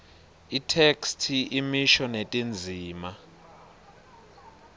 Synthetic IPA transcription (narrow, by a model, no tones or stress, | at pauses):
itʰekstʰiimiʃɔnetʼind͡zʱiːma